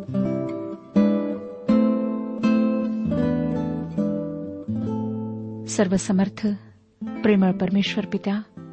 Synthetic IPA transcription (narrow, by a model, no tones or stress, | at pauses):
səɾʋəsəməɾt̪ʰə | pɾeməɭpɐɾmeʃʋəɾpit̪a